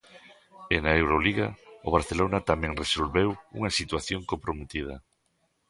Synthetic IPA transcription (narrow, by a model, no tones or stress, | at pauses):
enaewɾoliɣaoβ̞aɾθelonat̪amɛ̃ŋresolβewṵŋɐsit̪waθjoŋkompɾomet̪ið̞ɐ